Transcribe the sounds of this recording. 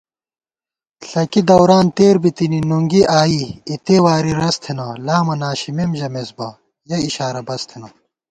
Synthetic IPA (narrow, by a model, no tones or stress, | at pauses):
ɬɐkid̪ɐwɾaːnt̪eːɾbit̪ininuŋɡiʔaːiit̪ewaːɾiɾɐst̪ʰenɐlaːmɐnaːɕimemʑɐmesbɐ | jɐiɕaːɾɐbɐst̪ʰenɐ